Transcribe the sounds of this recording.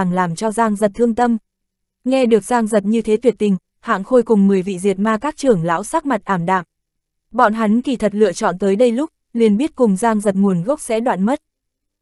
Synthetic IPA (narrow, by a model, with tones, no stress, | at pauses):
ŋlaː˨˩mt͡ɕɔ˧zaː˧ŋzə˨˩t̚t̪ʰɨ˧əŋt̪ə˧m | ŋɛ˧ɗɨ˨˩ək̚zaː˧ŋzə˨˩t̚ɲɨ˧t̪ʰe˨˦t̪ʰwi˨˩ət̚t̪ï˨˩ŋ̟ | ha̰ː˧˨ŋxo˧jkʊ˨˩ŋ͡mmɨ˨˩əjvḭ˧˨zi˨˩t̚maː˧kaː˦˥k̚t͡ɕɨ˨˩əŋla̰ː˧˥wsaː˦˥k̚ma˨˩t̚ʔaː˧˩mɗa̰ː˧˨ŋ | ɓɔ̰˧˨nɦa˨˦jŋ̟ki˧˩t̪ʰə˨˩t̚lɨ̰˧˨ət͡ɕɔ̰˧˨nt̪əː˨˦jɗə˧jlʊ˦˥k͡p̚li˨˩ənɓi˦˥ət̚kʊ˨˩ŋ͡mzaː˧ŋzə˨˩t̚ŋu˨˩ənɣə˦˥wk͡p̚sɛ̰˧˥ɗwa̰ː˧˨nmə˦˥t̚